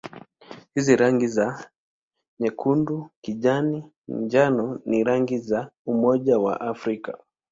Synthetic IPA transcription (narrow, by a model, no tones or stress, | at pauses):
hiziɾaŋɡiza | ɲɛkʰundukiʄani | nd͡ʒanɔniɾaŋɡizaumɔʄawa̰ʔafɾika̰